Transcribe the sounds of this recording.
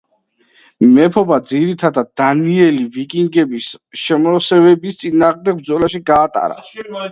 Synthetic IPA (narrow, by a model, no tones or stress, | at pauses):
mɛpʰɔbad̪ziɾit̪ʰad̪ad̪̚d̪aniɛlivikʼiŋɡɛbisʃɛmɔsɛvɛbist̪sʼinaːʁmd̪ɛɡ̚b̚d̪zɔlaʃiɡaːt̪ʼa̰ɾa̰